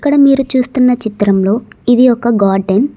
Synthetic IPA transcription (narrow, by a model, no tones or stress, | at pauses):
ɐkːɐɽɐmiːɾut͡ʃuːst̪unːɐt͡ʃit̪ɾɐmlo̞ːid̪ijɔkːɐɡaːɾɖen